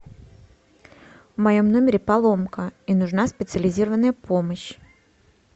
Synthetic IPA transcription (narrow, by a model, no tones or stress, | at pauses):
vmɐjo̞mnomʲɪɾʲɪpalˠo̞mkəinʊʐnaspʲɪt̪sɨəlʲɪzʲiɾəvənːəjəpoməɕ